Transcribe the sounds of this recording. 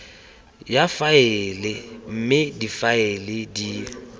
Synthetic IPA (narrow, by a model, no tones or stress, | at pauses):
jafaɪlɪm̩mɪdifaɪlɪdi